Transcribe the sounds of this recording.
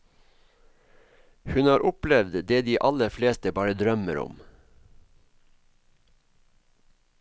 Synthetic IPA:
hʉnɑːɾʔʊplɛʋd̪d̪eːd̪iːʔɑləfleːst̪əbɑːɾəd̪ɾœməɾʊ̰m

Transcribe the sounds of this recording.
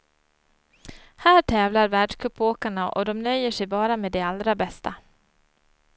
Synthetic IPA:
hæːʈʰɛːvlaɾvæːɖʂkʰɵpːoːkaɳaʔɔ̰d̪ɔmnœjːəʂɛjbɑːɾameːd̪ealɾabɛst̪a

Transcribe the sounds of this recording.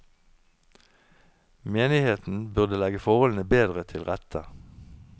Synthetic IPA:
meːnɪheːt̪n̩bʉʁd̪əlɛɡəfɔʁhɔln̩əbeːd̪ʁət̪ʰɪlʁɛt̪ʰə

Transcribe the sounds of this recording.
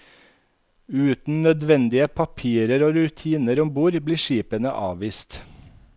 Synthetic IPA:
ʉːt̪n̩nœd̪ʋɛnd̪ɪəpʰɑpʰiːɾəɾoːɾʉt̪ʰiːnəɾɔmbuːɾbliːʃiːpənə̰ʔɑ̰ːʋiːst̪

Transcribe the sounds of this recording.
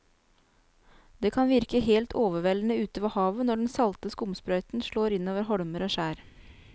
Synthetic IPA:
d̪eːkʰɑnʋɪɾkəɦeːlt̪ʰoːʋəʋɛlnəʉːt̪əʋɑhɑːʋənɔɖɛnsɑlt̪əskʊmspɾœʏt̪n̩ʃɭoːɾɪnoːʋəɾɦɔɽməɾoːʃæːɾ

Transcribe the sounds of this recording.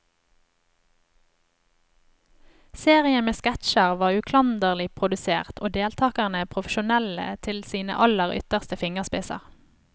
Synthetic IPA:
seːʁɪəmeːskæt̪ʃəʁʋɑːʉkʰlɑnd̪əʁlɪpʰʁʊd̪ʉsḛːʁt̪ʰoːd̪eːlt̪ʰɑːkæʁnəpʰʁʊfəʃʊnɛlə̰t̪ʰɪlsiːnə̰ʔɑləʁʏ̰t̪əʁst̪əfɪŋəʁspɪsɑ̰ʁ

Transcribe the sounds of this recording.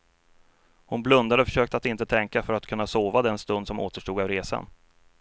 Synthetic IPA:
hʊnblɵnd̪ad̪əɔfœ̥ʂøːk̚t̪at̪ɪnt̪ət̪ʰɛŋkafœɾat̪kʰɵnːasoːvad̪ɛnst̪ɵnd̪sɔmo̰ːt̪əʂʈuːɡɑvɾeːsa̰n

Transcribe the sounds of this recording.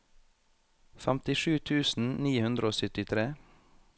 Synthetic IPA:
fæmt̪ɪʃʉːt̪ʰʉːsn̩niːhʉnd̪ɾəoːsʏt̪ɪt̪ʰɾeː

